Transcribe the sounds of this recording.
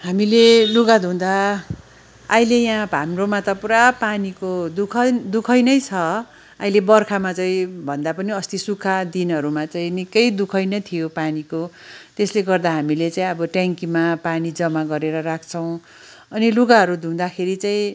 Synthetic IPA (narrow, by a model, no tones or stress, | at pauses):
ɦamileluɡad̪ʱũd̪a | jlejãbʱamromat̪ʌpuɾapanikod̪ukʰʌd̪ukʰʌjnʌjt͡sʰʌ | ajlebʌrkʰamat͡saĩbʱʌnd̪apʌniʌst̪isukʰːad̪inɦʌɾumat͡saĩnikʌjd̪ukʰʌjnʌt̪ʰijopaniko | t̪esleɡʌrd̪aɦamilet͡saĩʌbʌʈaŋkimapanid͡zʌmaɡʌɾeɾʌɾakʰt͡sʰʌw̃ | ʌniluɡaɦʌɾud̪ʱũd̪akʰeɾit͡saĩ